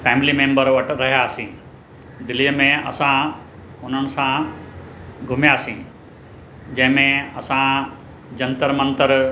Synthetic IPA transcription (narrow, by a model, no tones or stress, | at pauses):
fɛːmɪlimẽːmbəɾʋəʈ̆ɾɐɦijaːsĩ | d̪ɪliəmẽɐ̰sã | ʊn̤ənɪ̆sã | ɡʱʊmjaːsĩː | d͡ʑɐ̃ɦɪ̃mẽɐ̰sã | d͡ʑɐ̃nt̪əɾmə̃nt̪əɾ